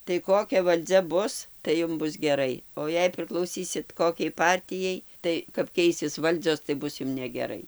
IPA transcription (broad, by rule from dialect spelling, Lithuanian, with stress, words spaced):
tɐɪ ˈkoːkʲɛ ʋɐlʲˈd͡zʲɛ ˈbʊs tɐɪ ˈjʊm ˈbʊs ɡʲɛˈrɐɪ oː ˈjɛɪ pʲrʲɪklˠɐʊˈsʲiːsʲɪt ˈkoːkʲɛɪ ˈpɐrʲtʲɪjɛɪ ˈtɐɪ kɐp ˈkʲɛɪsʲɪs ˈʋɐlʲd͡zʲoːs tɐɪ ˈbʊs ˈjʊm nʲɛɡʲɛˈrɐɪ